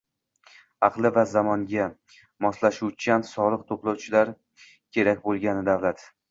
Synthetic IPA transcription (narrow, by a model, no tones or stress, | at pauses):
ɑqlˠɪvazamɒŋɡʲa | mɒslaʃuwt͡ʃʰansɒlˠɨqt̪ʰoplˠawt͡ʃʰɪlaɾ | kʲʰe̞ɾakʲbolˠɡʲanɪd̪avlat̪